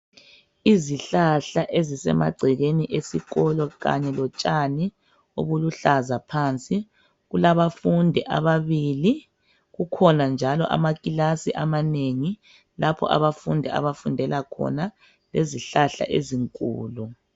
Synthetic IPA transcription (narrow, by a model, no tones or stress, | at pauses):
iziɬaɬaʔezisɛ̰ma̰ɡ͡ǀʱiɣeniʔesiɣɔlɔɣa̰ɲɛlɔt͡ʃʼani | o̰βuluɬazapʰant͡sʼi | ɣulaβafundʱɛʔa̰βaβiːli | ɣukʰɔnand͡ʒʱalɔʔa̰makʼilasiʔamaneŋi | lapʰɔ̰ʔa̰βafundʱɛa̰βafundʱɛlakʰɔ̰na | leziɬaɬa̰ʔḛziŋkʼṵːlu